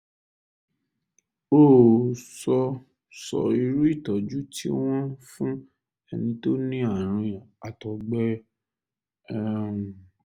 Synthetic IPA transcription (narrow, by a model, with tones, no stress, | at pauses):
o˦˨sɔ˧ | sɔ̰˨i˧ɾu˦i˦˨tɔ˨d͡ʒu˦tʰḭ˦w̃ɔ̃˦fũ˦ | ɛ˧nĩ˧to˦nĩ˦a˦˨ɾ̃ũ˧ja˨a˨tɔ˨ɡ͡bɛ˦ | ũ˨